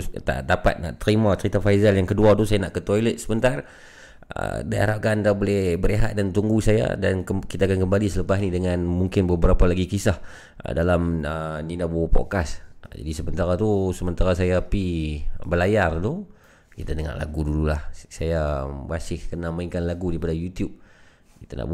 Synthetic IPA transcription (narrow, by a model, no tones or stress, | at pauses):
t̪a̰ʔdapa̰t̪̚na̰ʔt̪əɾimat̪əɾit̪afajzaljaŋkəduat̪usajanaʔkət̪ojlət̪̚səmənt̪ar | ə̰daa̰ɾap̚kandabolɛhbəɾeɦa̰t̪̚dant̪uŋɡusaja̰da̰nkəkit̪aːkankəmbalisələpasnidəŋanmuŋkɪnbəbəɾapalaɡikisah | dalaməninabupɔ̰t̪̚kasd͡ʒa̰disəbənt̪aɾat̪usəmənt̪aɾas̬ajapibəlajard̪u | kit̪anəŋa̰ʔla̰ɡududulahsajabasɪhkənaməikanlaɡudipadajut̪jub̚ | kit̪ana̰ʔ